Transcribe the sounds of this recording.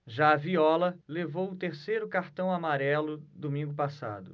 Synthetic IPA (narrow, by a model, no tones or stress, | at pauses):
ʒaːviɔlɐlevowʊt̪eɾsejɾʊkaɾt̪ɐ̃w̃amaɾɛlʊd̪omĩŋɡʊpasa̰d̪ʊ̰